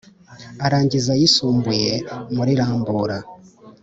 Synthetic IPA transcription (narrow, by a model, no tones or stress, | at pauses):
aɾaːɲɟizajisuːmbujemuɾiɾaːmbuːɾa